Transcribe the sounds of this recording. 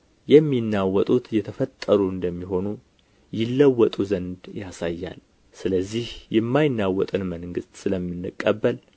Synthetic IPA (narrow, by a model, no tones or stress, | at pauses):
jɛmːinːawɔt̪ʼut̪jɛt̪ʰəfət̪ʼːəɾuɨnd̪əmːiɦo̞nu | jɪlːəwːɔt̪ʼuzənd̪jasajːa̰l | sɨləzːihjɛmːajɪnːawːɔt̪ʼɨnməŋɡɨst̪ʼsɨləmːɨnːɨkʼːəbːəl